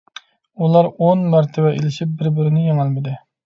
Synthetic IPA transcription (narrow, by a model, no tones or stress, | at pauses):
ulˠɑɾonmɑɾt̪ʰɪbɛʔelɪʃip̚bɪɾbɪɾɪnɪjeŋɪlmɪd̪ɪ